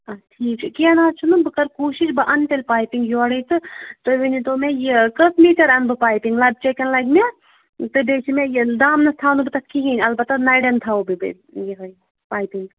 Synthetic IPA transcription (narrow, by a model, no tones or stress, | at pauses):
ɐʈʰiːkʰkiɐnaːt͡ʃʰunubɨkɐɾkuːʃiʃbɨʔɐnʈelʲpaːjpiŋɡjoːɐɽɐjt͡s̪ɨt̪oʋinit̪oːmejikɐsmiːʈɐɾɐnbɨpaːjpiŋɡlɐb̚t͡ʃekɐnlɐjkme | t̪ɨbeːt͡ʃʰimejid̪aːmnɐst̪ʰaːnubit̪ɐkkʰiɦinʲɐlbɐt̪ːɐnɐjɖɐnt̪ʰaubibḭ | jiɦoj | paːjpiŋɡ